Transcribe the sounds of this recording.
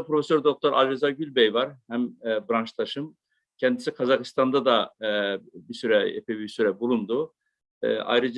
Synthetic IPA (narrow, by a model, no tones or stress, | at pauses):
pɾo̞fesøɾd̪o̞k̚t̪ʰoɾʔa̰lʲɾezaɟylʲbɛjvaɾhæmːbɾant͡ʃt̪ʰaʃɯm | cʰɛnd̪isikʰazakɯ̥st̪ʰand̪ad̪a | bisyɾɛɛpʰɛbisyɾɛbulˠund̪ṵ | ʔa̰jɾɯd͡ʒ